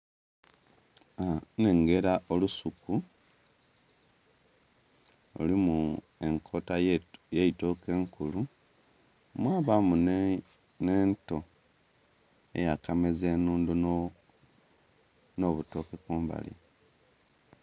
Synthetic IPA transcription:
ane̞ŋɡe̞ɾaʔolusuku | o̰limu | e̞ŋkʰo̞tajeitoke̞ːŋkulu | mwaːβamun | neːnto̞ | e̞̰jakameze̞ːnuːndun | no̞βuto̞kekuːmba̰lḭ

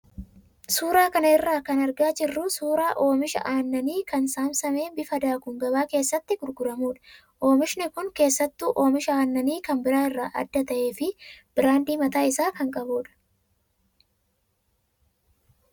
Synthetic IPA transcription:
suːɾaːkɐnɐɪrːaːkɐnɐɾɡaːd͡ʒɪrːʊsuːɾaːʔo̞ːmɪʃɐ̰ʔaːnːɐniːkɐnsaːmsɐme̞ːbɪfɐd̪aːkʊŋɡɐbaːke̞ːsːɐt̪ːɪɡʊɾɡʊɾɐmuːᶑɐ̥ | ʔo̞ːmɪʃnɪkʊŋke̞ːsːɐt̪ːuːʔo̞ːmɪʃɐaːnːɐniːkɐmbɪɾaːɪrːaːʔɐ̰d̪ːɐt̪ɐʔe̞ːfɪb̥ɪɾaːnd̪iːmɐt̪aːɪsaːkɐŋkʼɐbuːᶑɐ̥

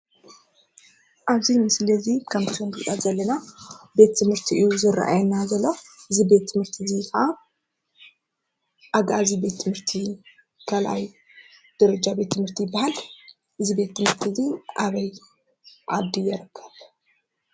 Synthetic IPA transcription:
ʔaβzimɨslɐzikʰɐmt̪ʰund̪ɨʔʼazɐlːɐnabe̞t̪ʰːɨmhɨɾt̪ʰiʔɨjuzɨɾ̰ʔa̰jnazɐlːoʔɨzibe̞t̪ʰːɨmhɨɾt̪ʰizija | ʔaɡazibe̞t̪ʰːɨmhɨɾt̪ʰi | kʰalʔa̰j | d̪̥ɐɾɐd͡ʒabe̞t̪ʰːɨmhɨɾt̪ʰijbːahal | ʔɨzibe̞t̪ʰːɨmhɨɾt̪ʰiziʔaβɐj | ʕa̰d̪ijɛɾɨkʰːɐβ

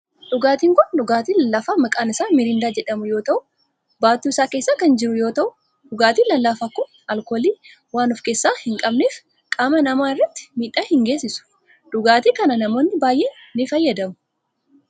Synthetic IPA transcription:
ᶑʊɡaːt̪iːŋkʊnᶑʊɡaːt̪iːlɐlːafaːmɐkʼaːnɪsaːmɪɾɪnd̪aːd͡ʒɛᶑɐmʊjo̞ːt̪ɐʔʊ | baːt̪ːuːɪsaːke̞ːsːaːkɐnd͡ʒɪɾʊjo̞ːt̪ɐʔʊ | ᶑʊɡaːt̪iːlɐlːaːfaːkːʊn | ɐlko̞ːliː | waːnɔfke̞ːsːaːhɪŋkʼɐbneːf | kʼaːmɐnɐmaːɪrːɐt̪ːɪ̥miːᶑːaːhɪŋɡe̞ːsːɪsʊ̥ | ᶑ̪ʊɡaːt̪iːkɐnɐnɐmo̞ːnːɪbaːjʔe̞ː | nɪfɐjːɐd̪ɐmʊ̥

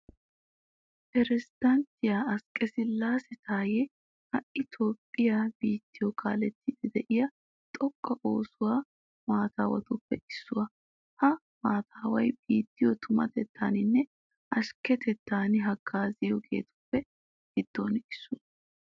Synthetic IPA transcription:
pɛɾɛzɪd̪̥ɐnt̪ːɪjaɐskʼːɛsɪlːaːsɛt̪aːjɛ | hɐʔɪt̪o̞ːpʼːɪjab̥iːt̪ːɪjɔkʰaːlɛt̪ːɪd̪ɛd̪ɛʔɪjɐ | t̪ʼɔkʼːɐʔo̞ːsʊwaː | maːt̪aːwɐ̰t̪ʊpːɛʔɪsːʊwɐ | hɐ | maːt̪ʰaːwɐjbiːt̪ːɪjɔt̪ʰʊmɐ̰t̪ɛt̪ʰːa̰ːnɪnːɛ | ʔɐʃkɛt̪ɛt̪ːaːnɪɦɐɡaːzɪjɔɡe̞̰ːt̪ʊ̥pːɛ | ɡɪd̪̥ːonɪsːʊ

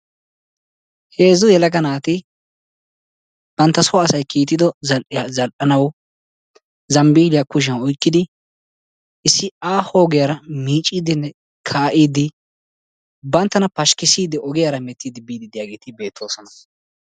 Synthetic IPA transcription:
he̞ːzʊjɛlɐɡɐnaːt̪ɪ | b̥ɐnt̪ːɐsɔɐsɐjkʰiːt̪ːɪd̪ɔzɐʔzɐlʔɐnɐwɔ | zɐmbiːlɪjakʊʃɪjɐnɔjkːɪd̪ɪ | ɪsːɪaːho̞ːɡɪjɐɾɐmiːt͡ʃʼːiːd̪ɪnːɛ | kʰaːʔiːd̪ɪ | bɐnt̪ːɐnɐpɐʃkɪsiːd̪ɪʔɔɡɪjaɾɐmɛt̪ːiːd̪ɪbiːd̪ɪd̪ɪjaːɡe̞ːt̪ɪbe̞ːt̪ʰːo̞ːsɔnɐ

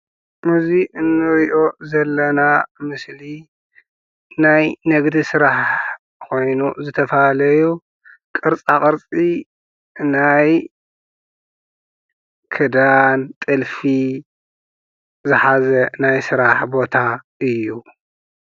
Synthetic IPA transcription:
mɨziʔɨnːɨɾiʔo̞zɐlːɐnamɨsli | najnɐɡd̪isɨɾaħ | kʰo̞jnuzɨt̪ʰɐfalɐju | kʼɨɾt͡sʼakʼɨɾt͡sʼi | naj | kʰɨd̪ant̪ʼɨlfi | zɨħazɐnajsɨɾaħbo̞t̪ʰaʔɨjːu

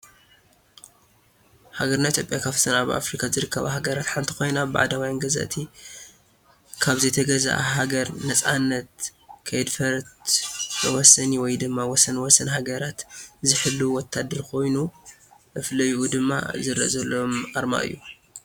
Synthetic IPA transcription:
haɡɐɾnait̪ʰjopʼjakʰaβt̪ʰɐnaβa̰fɾikʰazɨɾɨkːɐβa̰haɡɐɾat̪ħant̪ʰi̥ko̞jnaba̰ʕd̪awajanɡɐza̰t̪ʰi | kʰaβzɐt̪ʰɐɡɐza̰ʔa̰ɦaɡɐɾnɐt͡sʼanːɐt̪̚kʰɐjd̪fɐɾt̪ | wɔsɐniwɔjd̪ɨmːawɔsɐnwɔsɐnhaɡɐɾat̪zɨħɨlːuwɔt̪ʰːad̪ːɐɾkʰo̞jnuʔɨflɐjiʔud̪ɨmːa̰zɨɾɐ̰ʔzɐlːoomʔaɾma̰ʔɨ̰jːu

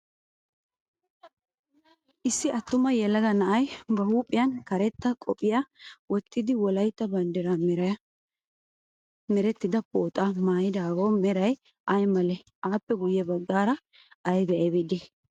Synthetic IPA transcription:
ʔɪsːɪʔɐt̪ːʊmɐjɛlːɐɡ̪ɐnɐʔɐjbɐhuːpʼːɪjɐnkɐɾɛt̪ːɐkʼɔpʼːɪjawɔt̪ːɪd̪ɪwɔlɐjt̪ːɐbɐnd̪ɛɾamɛɾɐ | mɛɾɛt̪ːɪd̪ɐpʼoːt̪ʼamaːjɪd̪aːɡoːmɛɾɐj | ʔɐjmɐlɛ | ʔaːpːɛɡʊjːɛbɐɡːaːɾɐ | ɐjbɛʔɐbɛd̪ɛ

